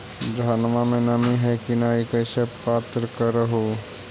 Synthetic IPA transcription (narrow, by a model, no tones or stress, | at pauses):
d̪ʱaːnmamẽnɐmiɦɛkinaːikəɪsepaːt̪ɾəkəɾəɦo